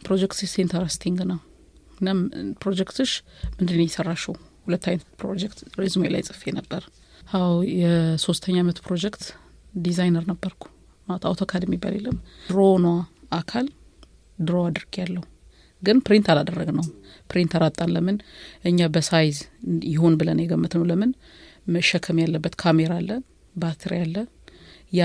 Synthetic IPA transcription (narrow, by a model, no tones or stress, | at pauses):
pɾo̞d͡ʒɛkt̪ɨst̪ent̪ʰəɾast̪ʰiŋɡnəw | nəmpɾo̞d͡ʒɛkt̪ʰɨʃmɨnd̪ɨnːojɛsərːaʃːɛwhulət̪ʰːajpʰɾod͡ʒɛkt̪ɾezmela̰jsʼɨfjɛnəbːəɾ | ʔawjɛso̞st̪ʰəɲːamət̪u̥pʰɾo̞d͡ʒɛkt̪ | d̪izajnəɾnəbːəɾkʰu̥ | malət̪a̰wt̪ʰokʰad̪əɛmiba̰lḛlːəmɾonwaʔakʰal | d̪ɨɾoad̪ɨɾɡjalːəhu | ɡɨnpɾint̪alad̪ərːəɡnəwpɨɾint̪aɾat̪ʼanləmɨnʔɨɲːabəsajzjɪɦonbɨlənjɛɡəmːət̪nəwləmɨn | məʃːəkʰəmjalːəbːət̪kʰameɾalːə | bat̪ʰəɾialːə | ja